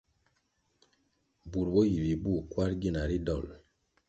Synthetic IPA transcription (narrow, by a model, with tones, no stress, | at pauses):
bu˨ɾbo˦ji˨ɾi˨bu˦˨kwa˦ɾɡi˦na˨ɾi˦dɔ˦˨l